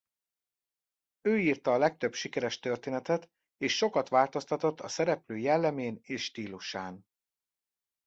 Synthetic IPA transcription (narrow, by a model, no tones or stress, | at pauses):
øːiːrt̪ɒːlɛk̚t̪ø̞bʃikɛɾɛʃt̪ørt̪eːnɛt̪ɛt̪ | eːʃːo̞kɒt̪ʋaːlt̪o̞st̪ɒt̪o̞t̪ːɒsɛɾɛpløːjɛlːɛmeːneːʃʃt̪iːluʃaːn